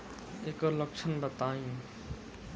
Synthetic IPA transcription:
ekɔlək̚t͡ʃʰənbət̪aːĩ

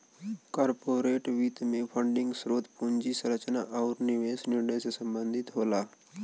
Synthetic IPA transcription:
kaːɾpoːɾeːʈʋiːt̪mẽpʰəɳɖɪ̃ŋɡsɾoːt̪puɲd͡ʒisɾət͡ʃnaʔaʊɾnɪʋeːsnɪɾnəjsesɐ̃mbə̃nd̪ʱɪt̪ɦoːlaː

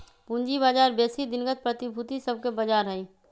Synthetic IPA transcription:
pũnd͡ʒibaːd͡ʒaːɾbeːsid̪ɪnɡət̪̚pɾət̪ɪbʱʊt̪isɐb̚kebɐd͡ʒaːɾɦɛĩ

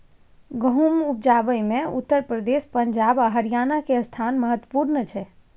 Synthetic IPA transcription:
ɡəɦumup̚d͡ʒaːbəjmẽṵt̪ːəɾpɾəd̪espəɲd͡ʒaːbəɦəɾijaːnakest̪ʰaːnməɦət̪wəpuɾnət͡ʃʰɛ

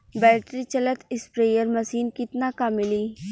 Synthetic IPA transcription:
bɛːʈɾit͡ʃɐlət̪ɪspɾeːjəɾmɐsiːnkɪt̪nakamɪliː

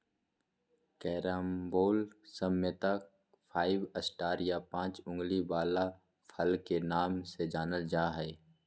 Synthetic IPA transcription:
kɛːɾəmboːlsəmət̪ək | fʰaːɪʋəsʈaːɾjapãːt͡ʃʊ̃ŋɡlibaːla | fʰɐlkenaːmsed͡ʒaːnəld͡ʒaːɦɛː

